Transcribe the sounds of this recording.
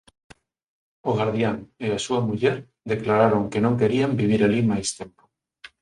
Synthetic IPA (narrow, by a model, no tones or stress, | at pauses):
oɣaɾðjaŋeasuɐmuʎɛɾ | d̪eklaɾaɾoŋkenõŋkeɾiambiβ̞iɾalimajst̪empo̥